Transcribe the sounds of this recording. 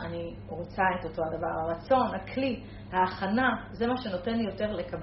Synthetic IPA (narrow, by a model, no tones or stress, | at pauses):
ani | ʁot͡sae̞to̞to̞ad̪avaʁhaʁat͡so̞nhakʰli | haːχanaze̞maʃe̞no̞te̞nlijo̞te̞ʁle̞kab